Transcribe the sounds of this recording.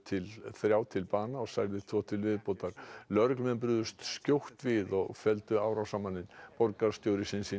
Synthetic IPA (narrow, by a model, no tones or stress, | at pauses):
t̪ʰɪlθɾjaːwt̪ʰɪlpaːnaɔɣsajɾðɪt̪ʰvɔt̪ʰɪlvɪðpoːwt̪aɾ̥lœɾklmɛnp̬ɾʏðʏst̪scowht̪vɪðɔɣfɛlt̪ʏaːwɾawsaːmanɪnpɔɾkaɾst̪jowɾɪsɪnsiː